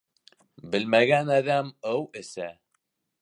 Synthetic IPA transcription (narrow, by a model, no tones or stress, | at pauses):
bɘ̆lmæɡænæðæmɤwɘ̆sæ